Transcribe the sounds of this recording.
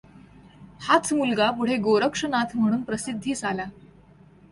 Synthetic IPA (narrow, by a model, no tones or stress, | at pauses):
hat͡sʰmulɡapuɽ̤eɡoɾəkʂənat̪ʰm̤əɽ̃uːnpɾəsid̪ʱːiːt͡sala